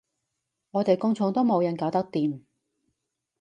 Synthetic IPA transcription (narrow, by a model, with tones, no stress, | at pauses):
ŋɔː˨˧t̪e˨jkʊ˥ŋt͡sʰʊ˧ŋt̪o˥wmo˨˧wjɐ˨˧nkaː˨˧wt̪ɐ˥k̚t̪iː˨m